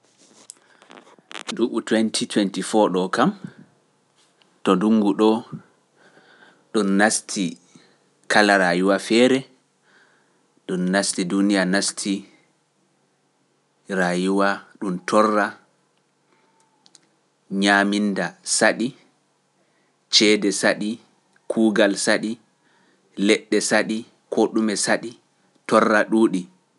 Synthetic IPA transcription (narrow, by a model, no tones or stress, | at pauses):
duʔutwɛntʰitʰwɛntifɔɗɔkam | tɔduŋːɡuɗɔ | ɗunːastʰi | kalaɾajuwafɛɾɛ | ɗunːastidunijanastʰi | ɾajuwaɗumtʰɔrːa | ɲamindasaɗi | t͡ʃɛːdɛsaɗi | kʰuːɡalsaɗi | lɛɗːɛsaɗi | kʰoɗumɛsaɗi | tɔrːaɗuːɗi